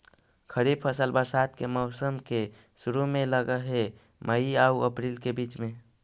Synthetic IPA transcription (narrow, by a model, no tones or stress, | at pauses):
kʰəɾib̚pʰəsəlbəɾsat̪keməʊsəmkesuɾumẽləɡəɦeməiauəpɾilkebiːt͡ʃmẽ